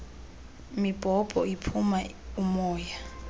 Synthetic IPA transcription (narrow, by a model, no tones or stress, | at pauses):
mib̥ʱɔb̥ʱɔipʰuma | umɔːja